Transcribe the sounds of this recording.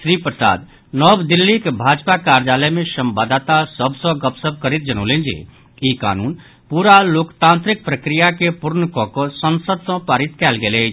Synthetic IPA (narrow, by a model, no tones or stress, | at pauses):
ʃɾiːpɾəsa̰ːd̪ | nɔːbd̪ɪlːikbʱaːd͡ʒpakaːɾd͡ʒaːlɛmẽʃəmbad̪at̪asəbsɔ̃ɡəpsəb̚kəɾɪt̪̚d͡ʒɐño̰ːlẽːnd͡ʒḛː | iːka̰ːnuːn | puːɾaloːkt̪ãːnt̪ɾɪk̚pɾəkɾɪjakepʊɾnəkɔkɔsənsəd̪sɔ̃paːɾɪt̪kɛːlɡeːle